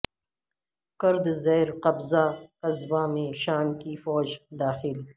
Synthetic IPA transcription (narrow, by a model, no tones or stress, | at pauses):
kɐɾd̪zɛːɾqɐbzakɐzwaːmẽʃaːmkifɔːd͡ʒd̪aːxɪl